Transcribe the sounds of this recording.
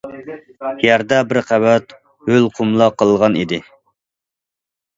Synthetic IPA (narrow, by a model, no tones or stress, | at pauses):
jæɾd̪ɛbɪɾqʰæwɛt̪ | hølˠqʰumlˠɑqːəlˠʁɑnḭd̪ɪ